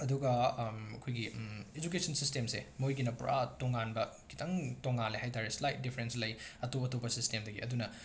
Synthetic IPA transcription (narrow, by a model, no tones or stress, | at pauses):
ɐduɡɐɐkʰojɡied͡ʒuk̬esʰɐnsistemsḛmojɡinɐpṵɾʔa̰toŋanbɐkʰi̥tʰɐŋtoŋanliɦajtʰaɾeslajt̚dipʰɐɾenslɐjɐtopɐtopɐsistemdɐɡḭɐ̰dunɐ